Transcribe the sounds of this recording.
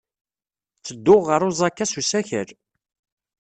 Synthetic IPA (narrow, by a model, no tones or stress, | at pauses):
t͡sːəd̪ːʊʁːəɾˤozˤɑkːæsusæçəɾ